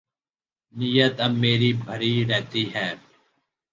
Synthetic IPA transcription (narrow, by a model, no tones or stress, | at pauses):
nijət̪ɐmːeːɾiːbʱəɾiːɾɛɦt̪iːɦɛː